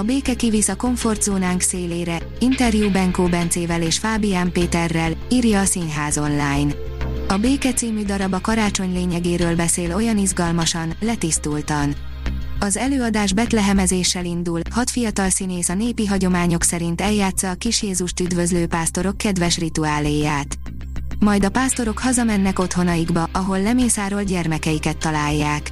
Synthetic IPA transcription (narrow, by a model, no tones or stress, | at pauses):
ɒbeːkɛkivisɒko̞ɱfo̞rd̪zoːnaːŋkseːleːɾɛ | int̪ɛrjubɛŋkoːbɛnt̪seːvɛleːʃfaːbijaːmpeːt̪ɛrːɛliːrjɒːsinɦaːzo̞nlaːjn | ɒbeːkɛt̪siːmyd̪ɒɾɒbɒkɒɾaːt͡ʃo̞ɲleːɲɛɡeːɾøːlbɛseːlo̞jɒnizɡɒlmɒʃɒnlɛt̪ist̪ult̪ɒn | ɒzɛløːɒd̪aːʒbɛt̪lɛɦɛmɛzeːʃːɛlind̪ulhɒt̪fijɒt̪ɒlsineːsɒneːpiɦɒɟo̞maːɲo̞ksɛɾint̪ɛljaːt̪sɒːkiʃjeːzuʃt̪yd̪vø̞zløːpaːst̪o̞ɾo̞kːɛd̪vɛʃrit̪uaːleːjaːt̪ | mɒjd̪ɒpaːst̪o̞ɾo̞khɒzɒmɛnːɛko̞t̪ho̞nɒjiɡbɒʔɒɦo̞lːɛmeːsaːɾo̞lɟɛrmɛkɛjikɛt̪ːɒlaːjːaːk